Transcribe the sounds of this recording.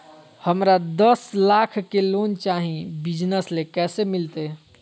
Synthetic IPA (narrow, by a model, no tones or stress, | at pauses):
həmɾad̪əslaːkʰkeloːnt͡ʃaːɦĩbɪd͡ʒnəslekɛːsemɪlt̪e